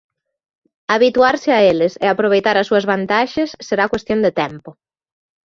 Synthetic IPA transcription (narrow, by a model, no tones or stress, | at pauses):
aβit̪uaɾsɪaelɪsɪapɾoβ̞ejt̪aɾɐsuɐzβant̪aʃesːeɾakwest̪jond̪et̪ɛmpo